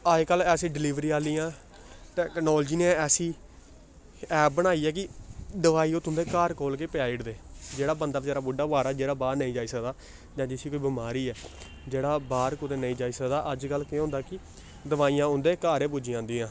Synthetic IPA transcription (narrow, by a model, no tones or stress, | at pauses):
aːekəlɛːsĩːɖɪliːʋɾiːaːliːãː | ʈɛːknɔːld͡ʒiːnẽːɛːsĩː | ɛːp̚bəɽaːiːɛːkɪd̪əʋaːiːʊt̪ʰʊ̃nd̪eːkaːɾkoːlkeːpɪjaːiɽd̪eːd͡ʒeːɽaːbənd̪aːd͡ʒeːɾaːbʊɖaːbaːɾaːd͡ʒeːɽaːbaːɾnəĩːd͡ʒaːiːsəkd̪aː | d͡ʒãːd͡ʒɪsiːkoːiːbɪmaːɾiːɛː | d͡ʒeːɽaːbaːɾkʊd̪eːnəĩːd͡ʒaːiːsəkd̪aːʔəd͡ʒkəlːkeɦʊ̃nd̪aːkɪ | d̪əʋaːiːjãːʊ̃nd̪eːkaːɾẽːpuːd͡ʒiːãːnd̪iːãː